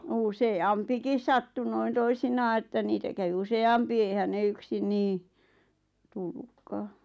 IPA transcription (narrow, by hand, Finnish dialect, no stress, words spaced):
useɑmpikis sɑtːu noin toisinɑː etːæ niːtæ kæʋĭ useɑmpi eihæn ne yksin niː tulːukːɑː